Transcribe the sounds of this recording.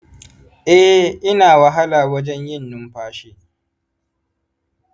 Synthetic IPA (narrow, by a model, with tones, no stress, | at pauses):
ʔɛ˦ʔɪ˦naː˨wɐ˨ɦa˦laː˨wɐ˦d͡ʒɛ˦ɲjɪ˦˨nːʊ˦mɸaː˦ʃeː˦